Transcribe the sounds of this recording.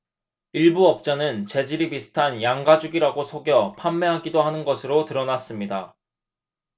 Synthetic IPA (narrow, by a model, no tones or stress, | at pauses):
iɭbuʌp̚t͡ɕ͈anɯnt͡ɕe̞d͡ʑiɾipisʰɯ̥tʰanjaŋɡad͡ʑuɡiɾaɡosʰoɡjʌpʰamːe̞ɦaɡidoɦanɯnɡʌsʰɯɾotɯɾʌnas͈ɯmɲida